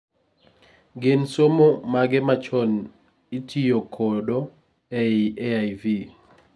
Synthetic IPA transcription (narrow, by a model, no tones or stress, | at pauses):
ɡɪnsomomaɡɛmat͡ʃɔn | itʰijokʰɔdɔ | ɛiʔɛajvi